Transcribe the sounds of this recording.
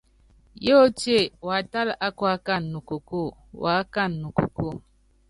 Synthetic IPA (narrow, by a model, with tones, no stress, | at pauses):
jo˦o˦te˦˨wa˨˦ta˦lʔa˦kwa˦ka˦˨nːu˨ko˨ko˦˨wa˨˦ka˦˨nːu˨ko˨ko˦˨